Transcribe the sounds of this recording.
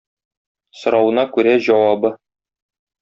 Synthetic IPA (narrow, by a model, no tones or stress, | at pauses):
sŏɾɑwɤ̆nɑkʉɾæʑɒwɑbɤ